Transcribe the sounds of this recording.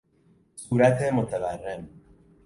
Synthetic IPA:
suːɾæt̪ʰemot̪ʰæværːen

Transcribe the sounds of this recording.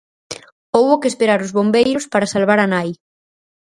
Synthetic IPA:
owβʊkespeɾaɾʊzβombejɾʊspaɾasalβaɾanaj

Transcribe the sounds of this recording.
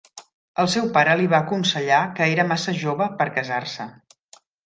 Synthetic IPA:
əlˠsɛwpaɾəliβaːkunsəʎakəeɾəmasəʒoβəpəɾkəzarsə

